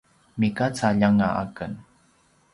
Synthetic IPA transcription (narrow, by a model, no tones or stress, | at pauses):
mikat͡saʎaŋaʔa̰kən